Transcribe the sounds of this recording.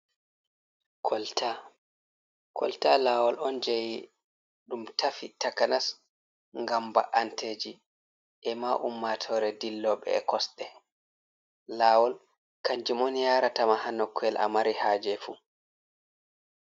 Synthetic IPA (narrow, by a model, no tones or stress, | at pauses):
kʰɔltʰa | kʰɔ̰ltalaːwɔlɔnd͡ʒeji | ɗumtafitakanas | ŋɡamba̰ʔanted͡ʒi | ʔɛmaʔumːatʰɔɾɛdilːɔɓɛ̰ɛkɔsɗɛ | laːwɔl | kaɲd͡ʒimɔnjaɾatamahanːɔkʰːɛlʔa̰maɾihaːd͡ʒɛfu